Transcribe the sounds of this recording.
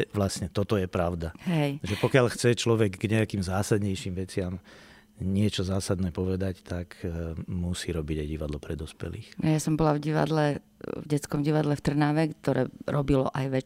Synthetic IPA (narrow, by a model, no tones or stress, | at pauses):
ʋlasɲɛt̪ɔt̪ɔjɛpɾaʊd̪aɦɛjʒɛpɔkɪaʎxt͡sɛt͡ʃlɔʋɛɡɡɲɛakiːmzaːsad̪ɲɛjʃiːmʋɛt͡sɪam | ɲɪɛt͡ʃɔzaːsad̪nɛːpɔʋɛd̪act̪akmusiːɾɔbiɟajɟiʋad̪lɔpɾɛd̪ɔspɛ̰lḭːxjasɔmbɔlavɟiʋa̰d̪lɛvɟɛt͡skɔmɟiʋad̪lɛft̪r̩naːʋɛkt̪ɔɾɛ̰ːɾɔbilɔ̰ʔajʋɛ